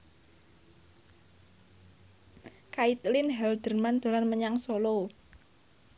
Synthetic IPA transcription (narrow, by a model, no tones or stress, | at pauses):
kait̪lɪnɦɛld̪̥ərmand̪̥o̤lanməɲaŋsolo